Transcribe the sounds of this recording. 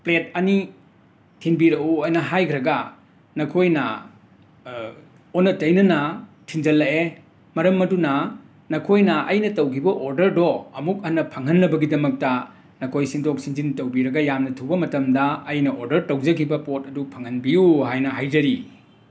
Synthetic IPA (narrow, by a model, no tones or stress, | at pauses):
plet̚ɐni | tʰinbiɾɐuɐnɐɦajkʰɾɐɡɐ | nɐkʰojnɐ | onːɐtɐjnɐnɐtʰind͡ʒɐlːɐe | mɐɾɐmːɐdunɐ | nɐkʰojnɐɐjnɐtɐwkʰibɐʔoɾdɐɾdoɐmuk̚ɐnːɐpʰɐŋɦɐnːɐbɐɡidɐmɐk̚tɐ | nɐkʰojsindok̚sinzintɐwbiɾɐɡɐjamnɐtʰubɐmɐtɐmdɐɐjnɐʔoɾdɐɾtɐwd͡ʒɐkʰibɐpot̚ɐdupʰɐŋhɐnbiuhajnɐɦajzɐɾi